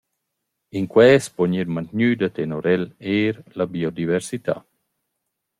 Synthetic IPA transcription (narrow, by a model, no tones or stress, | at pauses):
iŋkwɛːspoɲiɾmant̪ɲyd̪at̪enoɾɛleːɾlabiod̪iveɾsit̪a̰